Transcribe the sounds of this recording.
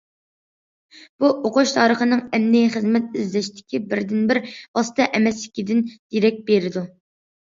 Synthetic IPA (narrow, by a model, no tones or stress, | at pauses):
b̥uʔoqoʃt̪ʰɑːɾəχənɨŋɛmnɪχəzmɛt̪̚yzlɛʃt̪ʰɪ̥kʲʰibɪɾd̪ɪnbɪɾb̥ɑsɨ̥t̪ʰɑʔɛmɛslɪkʲid̪ɪnd̪̥iɾɛk̚ʲbeɾɪd̪u